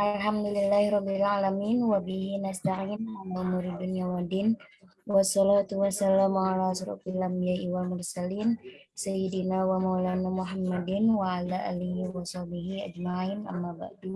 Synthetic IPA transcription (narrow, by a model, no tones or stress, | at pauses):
ʔalħamd̪ulɪlːahɾˤɔbːɪlʕalamiːnwabiɦinast̪aʕiːnalaʔumuɾidunijawadin | wɑsːɔlat̪uwasːalaːmʕalaʃʊɾɑ̰falʔambijaʔiwalmʊrsaliːn | sajidinawamawlanamʊɦamːadɪnwaʕalaʔaliɦiwasɑhbiɦiʔad͡ʒmaʕiːnʔa̰mːaba̰ʔd̪u